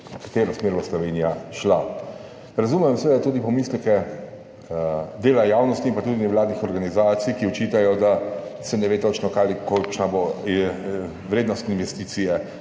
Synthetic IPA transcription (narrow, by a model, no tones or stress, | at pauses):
kḁt̪eːɾɔsmeːɾlɔslɔʋeːnijaʃla | ɾazumɛmsɛʋed̪at̪uːd̪ipɔmiːslɛkɛ | d̪eːlajaːwnɔst̪iːmpat̪uːd̪inɛʋlaːd̪nixɔɾɡanizaːt̪sijkiɔt͡ʃit̪ajɔd̪asɛnɛʋeːt̪ot͡ʃnɔkaːlikolkʃnabo | ʋɾeːd̪nɔst̪inʋɛst̪iːt̪sijɛ